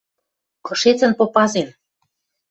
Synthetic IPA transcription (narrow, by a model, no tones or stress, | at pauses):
kɤ̆ʃet͡sə̆npopɑzen